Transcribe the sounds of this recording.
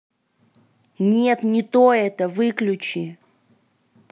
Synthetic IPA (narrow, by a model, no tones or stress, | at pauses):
nʲet̪nʲɪt̪oɛt̪əvɨklʲʊt͡ɕɪ